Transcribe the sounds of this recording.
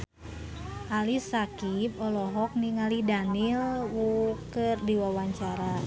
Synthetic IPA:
ʔalisakip̚ɔlɔɦɔk̚niŋalidanilwukɨrdiwawaɲt͡ʃaɾa

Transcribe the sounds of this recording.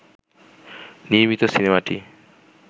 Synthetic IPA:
niomit̪osinemaʈḭ

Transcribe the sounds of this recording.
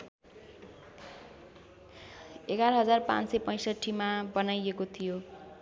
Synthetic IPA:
eɡaɾʌɦʌd͡zarpã̰nsʌjpʌj̃sʌʈʰːimabʌnajekot̪ʰijo

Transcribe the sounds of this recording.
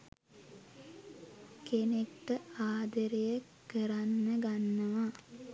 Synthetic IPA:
kenekʈəaːd̪əɾejəkəɾanːəɡanːəʋa

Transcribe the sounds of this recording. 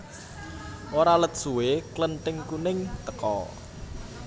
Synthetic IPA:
ʔoɾalət̪̚ʒ̥uweklənʈ̪ɪŋkunɪŋt̪əkɔ̰

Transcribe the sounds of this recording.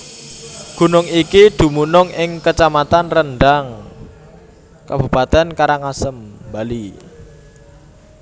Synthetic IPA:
ɡ̥ṳnʊŋikid̪̥ṳmunʊŋʔɪŋkət͡ʃamat̪anrənɖaŋ | kabṳpat̪ɛnkaɾaŋasəmbali

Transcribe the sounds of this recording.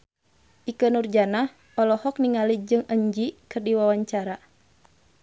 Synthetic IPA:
ʔikənurd͡ʒanah | ɔlɔhɔk̚niŋalid͡ʒɨŋəɲd͡ʒikɨrdiwawaɲt͡ʃaɾa

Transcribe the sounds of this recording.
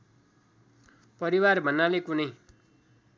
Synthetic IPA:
pʌɾiwarbʱʌnːalekunʌj

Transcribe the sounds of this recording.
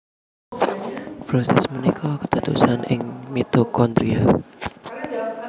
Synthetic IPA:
pɾosɛ̰smənikʰɔkə̥t̪ət̪ṵsanʔɪŋmit̪okɔnd̪ɾia

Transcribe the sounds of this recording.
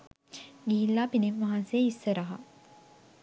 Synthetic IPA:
ɡiilːaːpineʋʋaɦɐ̃nsejeisːəɾɐɦa̰

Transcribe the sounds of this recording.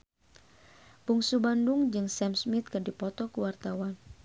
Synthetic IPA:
buŋsubanduŋd͡ʒɨŋsɛmsmit̪̚kɨrdipɔt̪ɔkəwart̪awan

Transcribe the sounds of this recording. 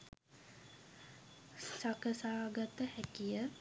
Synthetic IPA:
sakəsaːɡat̪əhækijə

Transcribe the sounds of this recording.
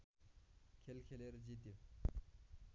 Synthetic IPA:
kʲʰelkʲʰeleɾd͡ʑit̪i

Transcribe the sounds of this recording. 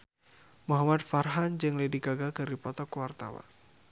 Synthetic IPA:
muɦamat̪farɦand͡ʒɨŋlediɡaɡakɨɾipɔt̪ɔkwart̪a̰wa̰n

